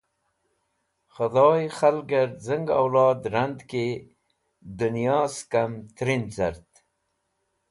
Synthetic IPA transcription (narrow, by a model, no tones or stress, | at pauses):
xad̪ɑːjxalɡaɾzəŋɡa̰wlɑːd̪ɾand̪ke | d̪unijɑːskamt̪ɾinza̰ɾt̪